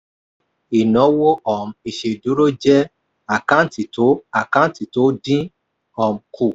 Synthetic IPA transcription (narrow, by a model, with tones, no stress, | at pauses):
i˨nɔ̃˨˦wo˦ʔɔ˨m̩˨i˨ʃe˨du˨˦ɾo˦d͡ʒɛ˦ | a˨kã˦ti˨to˨˦a˨kã˦ti˨to˨˦dĩ˦ | ɔ˨m̩˨kʰu˨